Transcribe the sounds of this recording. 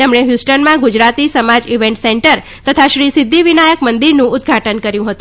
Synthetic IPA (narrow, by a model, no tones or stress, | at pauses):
emɳ̃eɦjusʈənmãɡud͡ʒɾat̪isəmad͡ʒiʋeɳʈsɛɳʈəɾ | t̪ət̪ʰaʃɾisɪd̪ʱːiʋinajəkmənd̪iɾnũʊd̪ɡʱaʈənkəɾjũɦət̪ũ